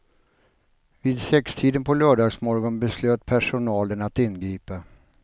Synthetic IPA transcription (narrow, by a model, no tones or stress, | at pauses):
viːd̪sɛkst̪ʰiːd̪ənpʰɔlœːɖɑːɡsmɔɾɡɔnbɛsløːt̪pʰæʂʊnɑːlənat̪ɪnːɡɾiːpa